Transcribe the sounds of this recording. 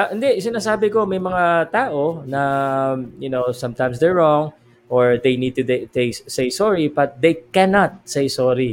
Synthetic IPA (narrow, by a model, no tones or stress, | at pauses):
aʔɪnd̪ɛʔsɪnaːsaːbɪko̞mɐjmɐŋat̪aːʔonɐ | jʊnowsɐ̃mt̪ãj̃msd̪ɛɹːɔŋ | ʔoɹd̪ejnid̪̚t̪ud̪et̪ejsejsɔɹibɐt̪̚d̪ejkɛnat̪̚sejsɔɾi